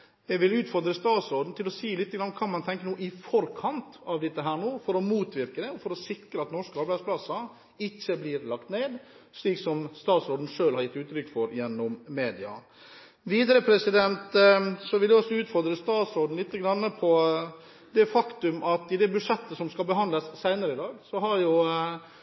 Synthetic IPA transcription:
jɛɡʋɪlʉːt̪fɔɾd̪ɾəst̪ɑːt̪sɔɾɖ̪n̩t̪ʰɪlɔsiːlɪt̪ːəɡɾɑnːəkʰɑːmɑnt̪ʰɛŋkənuːʔɪfɔɾkʰɑnt̪ɑʋd̪ɪt̪ːəɦæːɳoːfɔɾɔmuːt̪ʋɪɾkəd̪ɛɔfɔɾɔsɪkɾəɑt̪nɔʂkəɑɾbæɪspʰlɑsɑ | ɪçːəblɪːɾlɑkt̪neːd̪ʂɭiːksɔmst̪ɑːt̪sɔɖ̪n̩ʂøːlhɑɾjɪt̪ːʉːt̪ɾʏkːfɔɾjɛnːɔmmeːd̪ɪɑ̰ | ʋiːd̪əɾəpʰɾɛsɪd̪ɛnt̪sɔʋɪljɛɔsːɔʉːt̪fɔɾd̪ɾəst̪ɑːt̪sɔɾd̪n̩lɪt̪ːəɡɾɑnːəpʰɔ | d̪ɛfɑkt̪ʉmɑt̪ɪd̪ɛbʉʂɛt̪ːəsɔmskɑlbəɦɑnd̪ləsːæɪnəɾəɪd̪ɑːɡsɔɦɑɾjʊ

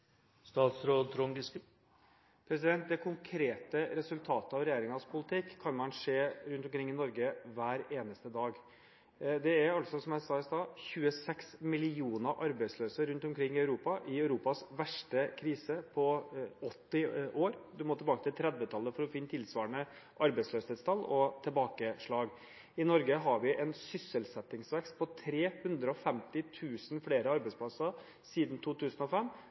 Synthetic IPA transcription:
st̪ɑːt̪sɾoːt̪ʰɾɔŋɡɪskə | pʰɾɛsɪd̪ɛnt̪̚d̪ɛkʰʊŋkʰɾeːt̪əɾɛsʉlt̪ʰɑːt̪əɑʋɾɛjeːɾɪŋɑspʰʊlɪt̪ʰɪkʰːɑnmɑnʂeːɾʉnt̪ɔmkʰɾɪŋːɪnɔɾɡəʋæːɾeːnəst̪əd̪ɑːɡ | d̪ɛæɾɑlsɔsɔmjæɪsɑːɪsd̪ɑːçʉːəsɛksmɪlɪuːnəʔɑɾbæɪsløːsəɾʉnt̪ɔmkʰɾɪŋːɪɑʉɾuːpɑʔɪœʉɾuːpɑsʋæʂʈəkʰɾiːsəpʰɔɔt̪ːɪʔoːɾd̪ʉmɔt̪ʰɛlbɑːkət̪ʰɪlt̪ʰɾɛd̪ʋət̪ʰɑlːəfɔɾɔfɪnːət̪ʰɪlsʋɑːɳə | ʔɑɾbɛɪsløːsɛːt̪st̪ʰɑlːɔt̪ʰɛlbɑːkəʂɭɑːɡ | ɪnɔɾɡəɦɑɾʋɪʔɛnsʏsːəlsɛt̪ːɪŋsʋɛkst̪̚pʰɔt̪ʰɾeːhʉnd̪ɾəɔfɛmt̪ɪt̪ʰʉːsn̩fleːɾəɑɾbɛɪspʰlɑsəɾ | siːd̪n̩t̪ʰuːt̪ʰʉːsənɔfɛmː

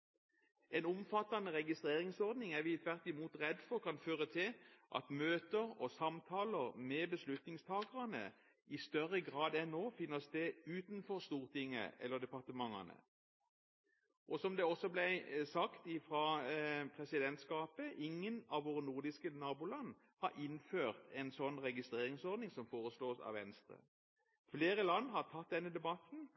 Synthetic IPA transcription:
ɛnʊmfɑt̪ːɑnəʁɛɡɪst̪ʁeːʁɪŋsɔʁd̪nɪŋæʁʋɪt̪ʰʋæʁt̪ɪmuːt̪ʁɛd̪fɔʁkʰɑnføːʁət̪ʰɪlʔɑ̰t̪møːt̪əʁɔsɑmt̪ʰɑːləʁmɛbəslʉt̪nɪŋst̪ʰɑːɡəʁɑnə̰ | ɪst̪œʁəɡʁɑːd̪ɛnːoːfɪnːəst̪eːʉːt̪nfɔʁst̪uːʁt̪ʰɪŋːə̰ɛ̰lːəʁd̪ɛpɑʁt̪əmɑŋɑ̰nə̰ | ʔɔsɔmd̪ɛɔsɔblɛɪsɑkt̪ɪfʁɑpʰʁɛsɪd̪ɛnt̪skɑːpəʔɪŋːənɑʋʋoːʁənuʁd̪ɪskənɑːbuːlɑnː | hɑɾʔɪnføːʁt̪ʰɛnsɔnːʁɛɡɪst̪ʁeːʁɪŋsɔʁd̪nɪŋsɔmfoːʁəsloːsɑ̰ʋɛ̰nst̪ʁə̰ | fleːɾəlɑnːhɑʁt̪ʰɑt̪̚d̪ɛnːəd̪ɛbɑt̪n̩

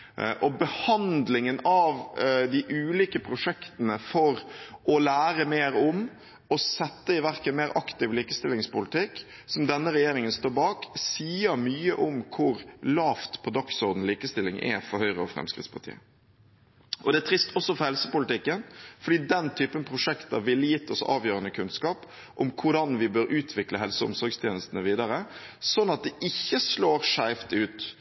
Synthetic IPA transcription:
ʔɔbəhɑnd̪lɪŋənɑʋd̪ɪʔʉːliːkəpʰɾʊʂɛkt̪ənəfɔɾʔɔlæːɾəmeːɾɔm | ɔsɛt̪ːəɪʋæɾkənmeːɾʔɑkt̪ɪʋliːkəst̪ɪlːɪŋspʊlɪt̪ʰɪkː | sɔmd̪ɛnːəɾɛjeːɾɪŋənst̪oːɾbɑːksiːəɾmyːəʔɔmkʰʊɾlɑːft̪pʰɔd̪ɑksɔːd̪n̩liːkəst̪ɪlːɪŋʔɛ̰fɔɾhœʏɾəɔfɾɛ̰mskɾɪ̰t̪spʰɑʈ̪ʰḭːə | ʔɔd̪ɛæt̪ʰɾɪst̪ʰɔsːɔfɔɾhɛlsəpʊlɪt̪ɪkːənfɔɖiːd̪ɛnt̪ʰyːpənpʰɾʊʂɛkt̪əɾʋɪlːjɪt̪ʰːɔsɑ̰ːʋjøːɾənəkʰʉnskɑːp | ʔɔmkʰʊɖɑnʋɪbøːɾʔʉːt̪ʰʋɪkləɦɛlsəʊ̰msɔɾɡst̪ʰeːnəst̪ənəʋiːd̪ɑɾə | sɔnːɑt̪̚d̪ɛʔɪçːəsloːɾʂæɪft̪ʉːt̪

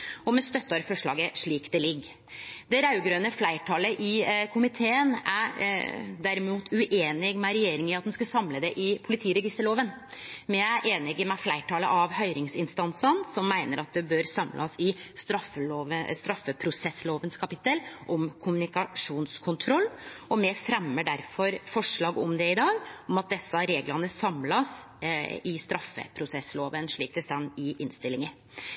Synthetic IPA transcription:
ɔmɛst̪œt̪ːɑɾfɔʂɭɑ̰ːɡəʂɭiːkd̪ɛlɪɡː | d̪ɛɾɑʉɡɾøːnəflæɪʈʰɑːləʔɪkʰʊmɪt̪ʰeːənæ̰ | ɖ̪æɾɪmuːt̪ʰʉʔeːnɪɡmɛɾɛjeːɾɪŋɪɑt̪̚d̪ɛnskɑsɑmləd̪ɛʔɪpʰʊlɪt̪ʰiːɾɛɡɪst̪əɭoːʋən | mɛææʔeːnɪɡmɛflæɪʈʰɑːlə̰ʔɑʋhœʏɾɪŋsɪnst̪ɑnsənsɔmːæɪnəɾʔɑt̪̚d̪ɛbøːɾsɑmlʔɑsɪst̪ɾɑfəoːʋəst̪ɾɑfːəpʰɾʊsɛsloːʋənskʰɑpɪt̪ːəlʔɔmkʰʊmʉnɪkɑʂuːnskʰʊnt̪ʰɾɔlːɔmɛfɾɛmːəɖæɾfɔɾfɔʂɭɑːɡɔmd̪ɛɪd̪ɑːɡɔmɑt̪̚d̪ɛsːəɾeːɡlɑnəsɑmlɑs | ɪst̪ɾɑfːə̰pʰɾʊsɛsloːʋənʂɭiːk̚t̪ʰəst̪ɑnːɪʔɪnst̪ɪlɪŋə

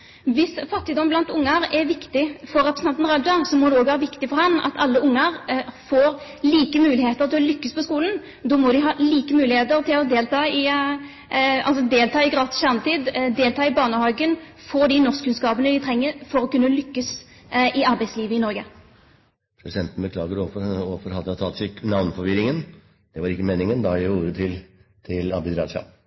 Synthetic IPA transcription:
ʋɪsfɑt̪ːɪd̪ɔmblɑnt̪ʊŋːəɾɛɾʋɪkt̪ɪfɔɾːɛpɾəsnɑnnʁɑd̪ɑsɔmɔd̪ɛoːɡʋæːɾəʋɪkt̪ɪfɔɾhɑnɑ̰t̪ʰɑlːəʔʊŋːəɾfoːɾ | liːkəmʉːlɪheːt̪əʁt̪ʰɪlɔlʏkːəspʰɔskuːlən | d̪ɔmɔd̪ɪɦɑːliːkəmʉːlɪheːt̪əʁt̪ʰɪlɔd̪eːlt̪ʰɑːɪ | ɑlsɔd̪eːlt̪ʰɑːɪɡʁɑːt̪ɪ̥sɕæʁnt̪iːd̪d̪eːlt̪ʰɑːɪbɑːnəhɑːɡənfɔd̪ɪnɔʁskʰːʉnskɑːpənəd̪ɪt̪ʰʁɛŋːəfɔʁɔkʉnːəlʏkːəs | ʔɪɑʁbæɪsliːʋəɪnɔɾɡə | pʰɾʊd̪ʉsɛnt̪ən̩bəkʰlɑːɡəɾɔfɔfɔɾhɑd̪əɑt̪ʰɑt̪sɛknɑʋnfɔɾʋɪɾɪŋən | d̪̥ɛʋɑɾɪkːəmeːnɪŋənd̪ɑjæɪuːɾət̪ʰɪl | t̪ʰɪlɑ̰bɪd̪ɾɑ̰ːʂɑ̰

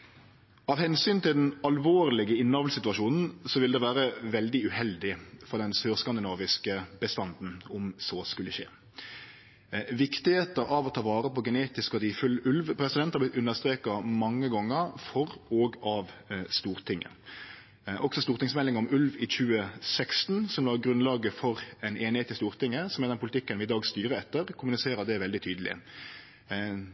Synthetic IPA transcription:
ɑːʋhɛnsyːnt̪ɪld̪ɛnɑlʋoːʁlɪɡəɪnːɑːʋlsɪt̪ʉɑʃuːnn̩sɔʋɪld̪ɛʋæːɾəʋɛld̪ɪʉhɛld̪ɪfɔʁd̪ɛnsøːʁskɑnd̪ɪnɑːʋɪskəbəst̪ɑnd̪n̩ɔmsoːskʉlːəʃḛː | ʋɪkt̪ɪheːt̪əɾɑʋɔt̪ʰɑːʋɑːʁəpɔɡəneːt̪ɪskɔd̪iːfʉlʉlʋpʰɾɛsɪd̪ɛnhɑblɪt̪ʉnːəʁst̪ʁeːkɑmɑŋːəɡɔŋːəɾfɔʁoːɡɑʋst̪uːʁt̪ʰɪŋːə̰ | ʔɔksɔst̪uːʁt̪ɪŋsmɛlːɪŋɔmʉlʋɪçʉːəsɛkst̪nsɔmlɑːɡʁʉnlɑːɡəfɔʁɛnʔeːnɪheːt̪ɪst̪uːʁt̪ɪŋːəsɔmɛd̪ɛnpʰʊlɪt̪ɪkːənʋɪɪd̪ɑːɡst̪yːʁəɛt̪ːəɾkʰʊmʉnɪseːɾəd̪ɛʋɛld̪ɪt̪ʰyːd̪əl̩ɪ̰

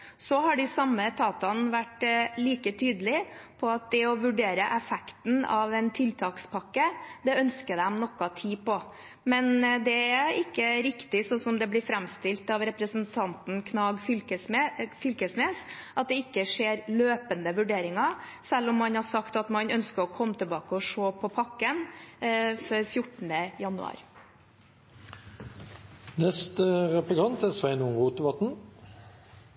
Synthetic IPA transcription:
sɔɦɑɖɪsɑmːət̪ʰɑːt̪ɑnʋæʈːliːkət̪ʰyːd̪əlɪpʰɔɑt̪̚d̪ɛɔʋʉɖeːɾəʔɛfɛkt̪n̩ɑ̰ʋɛnt̪ʰɪlt̪ʰɑːkspʰɑkːəd̪ɛœnskəd̪ɛmnɔkːɑt̪ʰiːpɔ | mɛnd̪ɛæɪkːəɾɪkt̪ɪsɔsɔmd̪ɛblɪɾfɾɛmst̪ɪlt̪ɑʋɾɛpɾəsənt̪ʰɑnt̪n̩kʰnɑːɡfəfʏlkəsneːsʔɑt̪̚d̪ɛɪkːəʂeːɾløːpənd̪əʋʉɖeːɾɪŋɑ | sɛlːɔmːɑnhɑɾʂɑkt̪ɑt̪mɑnœnskəɾɔkʰɔmːət̪ʰəlbɑːkəɔʂoːpʰɔpʰɑkːən | fœɾfjʊʈɳ̩d̪əjɑnʉ̰ɑ̰ːɾ | nɛst̪əʁɛplɪkʰɑnt̪æsʋæɪnʊŋʁuːt̪əʋɑt̪n̩

